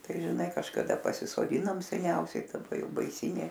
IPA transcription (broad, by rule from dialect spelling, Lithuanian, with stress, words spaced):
ˈtɐɪ ʒʲɪˈnɐɪ kɐʃkɐˈdɐ pɐsʲɪsoːˈdʲɪnoːm sʲɛˈnʲɛʊsʲɛɪ dɐˈbɐ ˈjɛʊ bɐɪˈsʲiːnʲeː